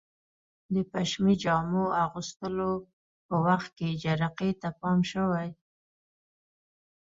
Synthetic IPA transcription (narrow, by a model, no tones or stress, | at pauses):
d̪əpaʃmid͡ʒɑmoaɣust̪əlo | pəwaxt̪̚ked͡ʒaɾaqet̪apɑmʃəwaj